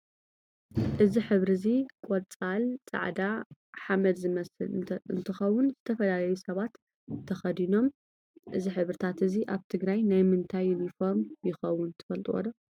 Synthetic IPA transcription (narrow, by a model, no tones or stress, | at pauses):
ʔɨziħɨβɾɨzikʼot͡sʼalt͡sʼa̰ʕd̪aħamɐd̪zɨmɐsɨ̰lɨ̰nt̪ʰɨxɐwːʊnzɨt̪ʰɐfɐlalɐjusɐβat̪ | t̪ʰːɐxɐd̪ino̞m | ʔɨziħɨβɾɨt̪ʰat̪ɨziʔaβt̪ʰɨɡɾajnajmɨnt̪ʰajːɪnifo̞ɾmjɪxɐwʊnt̪ʰɨ̥fɐlt̪ʼuwɐ̰d̪ɐ